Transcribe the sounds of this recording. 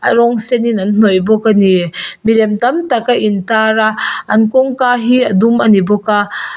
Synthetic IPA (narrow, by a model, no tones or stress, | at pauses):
ʔaɾɔŋsɛninann̥ɔjbɔkanimilɛmt̪amtakaʔintaɾaʔɐnkɔŋkaɦiadumanibɔka